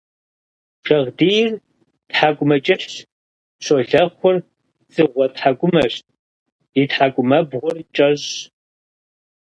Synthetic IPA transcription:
ʂɐʁdiːjɪr | tħakʷʼʊmɐt͡ʃʼɪɬ | ɕoɮɐχʷʊr | t͡sʼɨʁʷɔtħakʷʼʊmɐɕtʼ | itħakʷʼʊmɐbʁʷʊrt͡ʃʼɐʑ

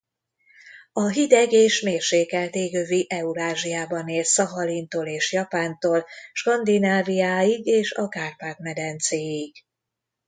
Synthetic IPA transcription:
ɒɦid̪ɛɡeːʃmeːrʃeːkɛlt̪eːɡøviʔɛuɾaːʒijaːbɒneːlssɒɦɒlint̪oːleːʃjɒpaːnt̪oːlʃkɒnd̪inaːvijaːjiɡeːʃɒkaːrpaːt̪mɛd̪ɛnt̪seːiɡ

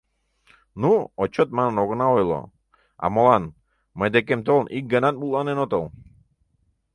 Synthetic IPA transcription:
nuot͡ʃot̪̚manənoɣnaojlˠo̰ | a̰molˠan | məjd̪ekemt̪olnʔik̚ɡənat̪̚mulˠanenot̪olˠ

